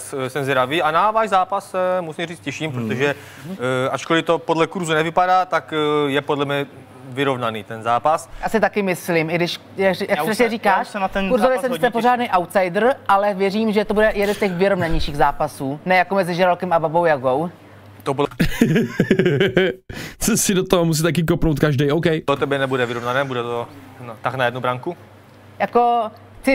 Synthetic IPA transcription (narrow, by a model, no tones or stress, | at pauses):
ssɛmzɾaviːanavaːʒzaːpassɛmusimriːt͡scɛʃiːmpɾot̪oʒɛ | ʔat͡ʃkolɪt̪o̞podlɛkuɾzunɛvɪpadaːt̪akjɛpodlɛmɲɛ | vɪɾo̞vnaniːt̪ɛnzaːpasjaːsɪt̪akɪmɪslimɪɡdɪʃ | jakjakpɾɛsɲɛɾiːkaːʃɛnat̪ɛnkuɾzovjɛsɛmsɛpoɾ̝aːdnejʔawt̪sajdr̩ʔalɛvjɛriːmʒɛt̪obudɛjɛdɛnscɛxvɪɾovnaɲɛjʃiːɣzaːpasuːnɛjakomɛzɪʒɛɾalkɛmababowjaɡo̞w | t̪obud | t͡sosɪdot̪oɦomus̬it̪ak̬ɪk̬opnowt̪̚kaʒdɛjowkɛjdot̪ɛbjɛnɛbudɛvɪɾovnanɛːbudɛt̪o | nt̪aknajɛdnubɾaŋku | jako̞ | t̪ɪ